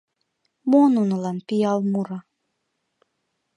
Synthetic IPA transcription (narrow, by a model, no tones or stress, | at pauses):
monunɨlɑnpiɑlˠmuɾɑ